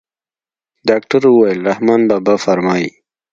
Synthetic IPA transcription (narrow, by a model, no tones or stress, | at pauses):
ɖɑːk̚ʈaɾwəwajɪlɾahmɑːnbabafaɾmɑːji